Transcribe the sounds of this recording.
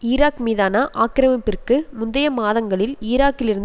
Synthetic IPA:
iːɾaːkmiːðaːnɐʔaːkɪɾɐmɐpːɪrkɯmʊnd̪ɐjɐmaːðɐŋɡɐɭɪlɪːɾaːkːɪlɪɾɯn

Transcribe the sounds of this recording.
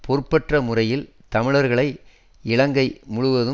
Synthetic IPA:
poːɾpːɐʈrɐmʊrɐjɪl | t̪ɐmɪɭɐɾɣɐɭɐɪ | ɪɭɐŋɡɐɪmʊɻʊʋɐðɯ

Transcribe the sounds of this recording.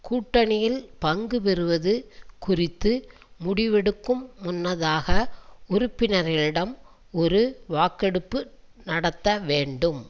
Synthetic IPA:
kuːʈːɐnɪjɪlpɐŋɡɯpɛɾɯʋɐðɯkʊrɪt̪ːɯ | mʊɽɪʋɛɽɯkːɯmːʊnːɐðaːɣɐʊɾʊpːɪnɐɾɐɭɪɽɐm | ɔɾɯʋaːkɛɽɯpːɯ | nɐɽɐt̪ːɐʋeːɳɖɯm

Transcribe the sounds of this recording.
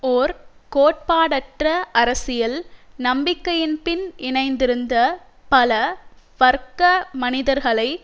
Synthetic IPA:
oːɾkoːʈ̚paːɽɐʈrɐʔɐɾɐsɪjɐlnɐmbɪkːɐjɪnpɪnɪɳɐɪnd̪ɪɾɯnd̪ɐ | pɐlɐ | ʋɐɾkɐmɐnɪðɐɾɣɐɭɐɪ

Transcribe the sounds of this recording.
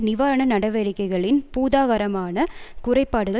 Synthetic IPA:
nɪʋaːɾɐɳɐnɐɽɐʋɐɾɪkːɐɪɣɐɭɪnpuːðaːɣɐɾɐmaːnɐkʊrɐɪpːaːɽɯɣɐ

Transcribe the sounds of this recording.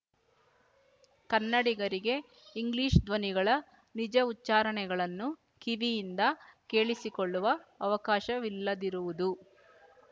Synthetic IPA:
kɐnːɐɽiɡɐɾiɡe̞ | iŋɡliːʃd̪ʋɐniɡɐɭɐ | nid͡ʒɐutːt͡ʃːaːɾɐɳɛɡɐɭɐnːu | kiʋijind̪ɐke̞ːɭisikoɭːuʋɐːʋɐkaːʃɐʋilːɐd̪iɾuʋud̪u

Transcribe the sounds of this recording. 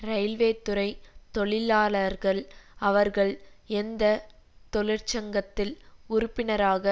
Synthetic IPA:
ɾɐɪlʋeːt̪ːʊɾɐɪt̪ɔɭɪlaːlɐɾɣɐɭɐʋɐɾɣɐɭɛnd̪ɐt̪ɔɭɪɾt͡ʃɐŋɡɐt̪ːɪlʊɾʊpːɪnɐɾaːɣɐ

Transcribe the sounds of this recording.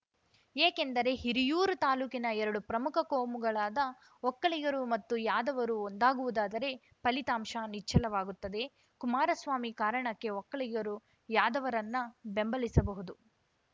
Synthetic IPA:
eːke̞nd̪ɐɾe̞ɦiɾijuːɾut̪aːluːkinɐɛɾɐɽupɾɐmukʰɐkoːmuɡɐɭaːd̪ɐ | ɔkːɐɭiɡɐɾumɐt̪ːujaːd̪ɐʋɐɾuond̪aːɡuʋud̪aːd̪ɐɾe̞ | pɐlit̪aːmʃanit͡ʃːɐlɐʋaːɡut̪ːɐd̪e̞ | kumaːɾɐsʋaːmikaːɾɐɳɐkːe̞ɔkːɐɭiɡɐɾu | jaːd̪ɐʋɐɾɐnːɐbe̞mbɐlisɐbɐɦud̪u

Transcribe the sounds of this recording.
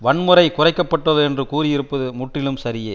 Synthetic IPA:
ʋɐɳmɯɾɐɪkʊrɐɪkːɐpːɐʈːɐðɯɛndrɯkuːɾɪjɪɾɯpːɐðɯmʊʈrɪlɯmsɐɾɪjeː

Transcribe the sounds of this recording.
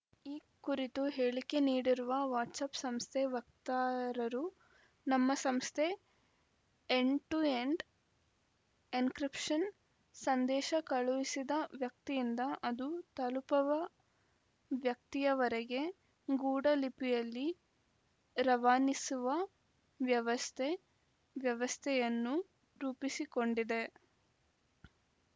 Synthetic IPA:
iː | kuɾit̪uɦeːɭike̞niːɽiɾuʋɐʋaːʈsaːpsɐmst̪ʰeʋɐkt̪aːɾɐɾu | nɐmːɐsɐmst̪ʰe̞ | eɳʈueɳɖ | inkɾipʂɐn | sɐnd̪ɛːʃɐkɐɭuʋisid̪ɐʋjɐk̚t̪ijind̪ɐʔɐd̪ut̪ɐlupɐʋɐ | ʋjɐk̚t̪ijɐʋɐɾeɡe̞ | ɡuːɽɐlipijɐlːi | ɾɐʋaːnisuʋɐ | ʋjɐʋɐst̪ʰe | ʋjɐʋɐst̪ʰɛjɐnːu | ɾuːpisiko̞ɳɖid̪e̞

